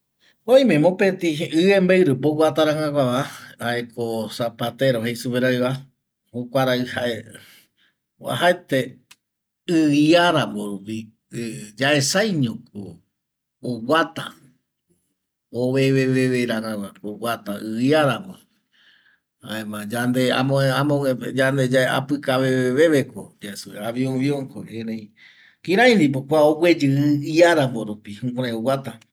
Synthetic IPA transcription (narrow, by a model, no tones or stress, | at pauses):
õj̃mẽmõpet̪iʔɨembaɨɾɨpowʷat̪aɾãŋãkʷaβaaekosapat̪eɾohejsupeɾojβa | hokʷaɾaɨhae | wa̰ɦaet̪e | ɨiaɾamõɾupi | d͡ʒaʔe̞sajɲõko | owat̪a̰ | oβeβeβeʋeɾaɾãwaowat̪aʔɨiaɾamo | a̰emãd͡ʒand̪ea̰mõeamõed͡ʒand̪ed͡ʒaea̰pɨkaβeeβeβekod͡ʒesuḛaβiõβiõŋko̰enẽĩ | kĩɾãĩnd̪ip̬okʷaowʷed͡ʒɨɨiaɾamboɾupihũkʷaɾãẽowat̪a